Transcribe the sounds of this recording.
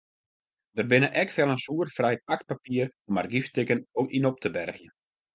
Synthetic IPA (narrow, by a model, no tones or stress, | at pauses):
dərbɪnəʔɛkfɛlˠənsuərfrɛjpak̚papiəromarɡiftɪkənokinop̚tʰəbɛrxjən